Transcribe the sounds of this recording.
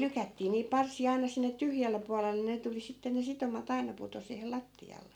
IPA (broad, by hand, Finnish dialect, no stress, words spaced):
lykætːiː niːp pɑrsiɑ ɑinɑ sinːe tyhjælːe puɑlelːe ne tuli sitːe ne sitomɑt ɑinɑ puto siːhel lɑtːiɑlːe